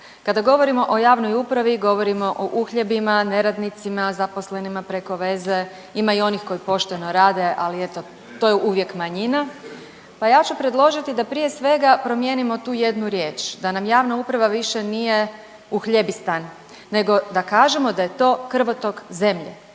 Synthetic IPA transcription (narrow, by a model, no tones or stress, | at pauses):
kad̪aɡo̞ʋo̞ɾimo̞ʔo̞jaːʋnojupɾaʋiɡo̞ʋo̞ɾimo̞ʔoʔuxʎe̞bimane̞ɾad̪nit̪simazaposle̞nimapɾe̞ko̞ʋe̞ze̞ | imaio̞nixko̞jipo̞ʃt̪e̞noɾaːd̪e̞ʔaliet̪o | t̪o̞jeʔuːʋje̞kmaɲina | pajaːt͡ɕupɾe̞d̪lˠo̞ʒit̪id̪apɾije̞sʋe̞ɡapɾo̞mjeːnimo̞t̪uːje̞d̪nuɾjeːt͡ʃd̪anamjaːʋnaupɾaʋaʋiʃe̞nije̞ | uxʎebist̪anː | e̞ɡo̞d̪akaːʒemo̞d̪aje̞t̪o̞ːkr̩ʋot̪o̞ɡze̞mʎḛ